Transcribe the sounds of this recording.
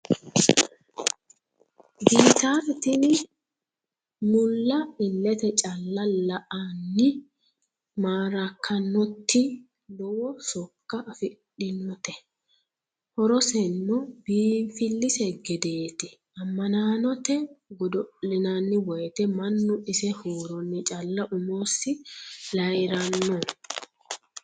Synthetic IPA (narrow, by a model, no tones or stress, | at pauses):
biːt̪aɾt̪ɪn | mʊlːɐɪlːɛt̪ɛt͡ʃʼɐlːɐlɐʔanːɪ | maːɾɐkʰːɐnːɔt̪ːɪ | lɔwɔsɔkːɐʔːfɪɗɪnɔt̪ɛ | hɔɾɔsɛnːɔbiːfɪlːɪsɛɡɛd̪e̞ːt̪ɪ | ɐmːɐnaːnɔt̪ɛɡɔd̪ɔlɪnanːɪwɔjt̪ɛmɐnːʊɪsɛhoːɾɔnːɪt͡ʃʼɐlːɐʔʊmoːsːɪlɐjɾɐnːɔ